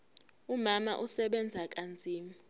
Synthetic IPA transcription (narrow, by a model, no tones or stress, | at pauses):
umama̰ʔusɛɓɛnd͡zʱak̬ʼand͡zʱiːmu